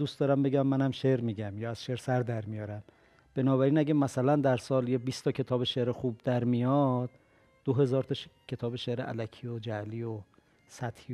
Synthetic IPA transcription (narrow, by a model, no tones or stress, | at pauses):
uːst̪ɒːɾæmbe̞ɟæmːænæmʃeɾmiːɟæmjɒːæz̥ʃeɾsæɾd̪æɾmijɒːɾæm | b̥e̞nɒːβæɾiːnæɟæmæsælænd̪æɾsɒːljebiːst̪ʰɒcʰe̞t̪ʰɒːbeʃeɾexuːb̚d̪æɾmijɒd̪̥ː | oɦe̞zɒːɾt̪ʰɒʃkcʰe̞t̪ʰɒːbeʃeɾeʔælækʰiːod͡ʒæliːo | sæt̪hi